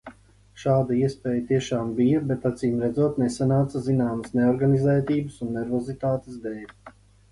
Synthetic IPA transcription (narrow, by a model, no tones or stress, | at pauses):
ʃaːd̪aiɛspɛːjət̪iɛʃaːmbijɐbet̪at̪siːmɾɛd̪zuɔt̪nesanaːt̪sɐzinaːməsneɔɾɡanizɛːt̪iːbəsunːɛɾvɔzit̪aːt̪e̥sd̪ɛjv